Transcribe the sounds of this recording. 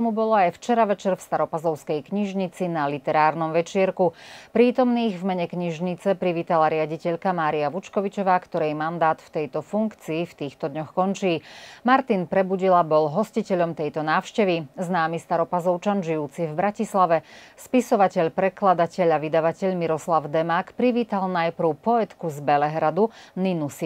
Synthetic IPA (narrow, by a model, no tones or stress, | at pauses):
mubɔlɔajft͡ʃɛɾaʋɛt͡ʃɛɾfst̪aɾɔpazɔʊskɛjkɲiʒɲit͡sinalit̪ɛɾaːɾnɔmʋɛt͡ʃɪɛɾkupɾiːt̪ɔmniːɣvmɛɲɛkɲiʒɲit͡sɛpɾiʋiːt̪alaɾɪaɟicɛʎkamaːɾiaʋut͡ʃkɔʋit͡ʃɔʋaːkt̪ɔɾɛjmand̪aːt̪ft̪ɛjt̪ɔfuŋkt͡siːft̪iːxt̪ɔd̪ɲɔxkɔnt͡ʃiːmaɾt̪inpɾɛbuɟilabɔlɦɔscicɛʎɔmt̪ɛjt̪ɔnaːʊʃcɛʋiznaːmist̪aɾɔpazɔʊt͡ʃanʒijuːt͡sivbɾacislaʋɛspisɔʋacɛʎpɾɛklad̪acɛʎaʋid̪aʋacɛʎmiɾɔslaʊd̪ɛmaːkpɾiʋiːt̪alnajpɾ̩ʊpɔɛt̪kuzbɛlɛɦɾad̪uninus